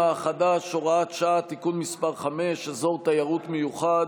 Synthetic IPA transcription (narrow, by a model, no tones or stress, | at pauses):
aχadaʃoʁaat̪ʃaat̪ikunmispaʁχame̞ʃazo̞ʁt̪ajaʁut̪mejuχad